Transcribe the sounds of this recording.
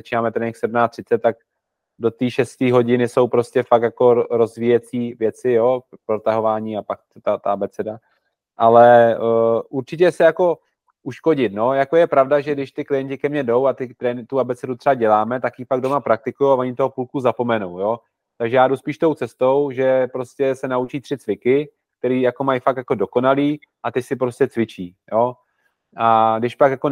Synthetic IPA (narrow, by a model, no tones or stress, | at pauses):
zat͡ʃiːnaːmɛt̪ɾɛːnɛxsɛdmnaːt̪r̥ɪt͡sɛt̪̚ːak̚ | do̞t̪iːʃɛst̪iːɦo̞ɟɪnɪso̞wpɾo̞scɛfakt̪jako̞ɾo̞zviːjɛt͡siːvjɛt͡sɪjo̞pɾo̞t̪aɦo̞vaːɲiapak̚ | t̪at̪aabɛt͡sɛda | ʔalɛ | ʔuɾt͡ʃɪc̬ɛsɛjako̞ | ʔuʃko̞ɟɪt̪no̞jako̞jɛpɾavdaʒɛɡdɪʃt̪ɪklɪjɛɲcɪkɛmɲɛdo̞wat̪ɪt̪ɾɛːnɪt̪uabɛt͡sɛdut̪r̥ɛaɟɛlaːmɛt̪akjipaɡdo̞mapɾak̚t̪ɪkujowavoɲɪt̪oɦopuːlkuzapo̞mɛnuwjo̞ | t̪aɡʒɛjaːduspiːʃt̪o̞wt͡sɛst̪o̞wʒɛpɾo̞scɛsɛnaut͡ʃiːt̪r̥ɪtt͡svɪkɪ | k̚t̪ɛɾiːjako̞majfakt̪jako̞do̞ko̞naliː | ʔat̪ɛcsɪp̬ɾo̞scɛt͡svɪt͡ʃiːjo | ʔaɡdɪʃpakjako̞